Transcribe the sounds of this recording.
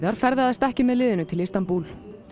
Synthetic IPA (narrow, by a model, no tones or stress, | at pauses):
ðaɾ̥fɛɾðɪaðst̪ɛhcɪmɛðlɪːðɪnʏt̪ʰɪlist̪anpul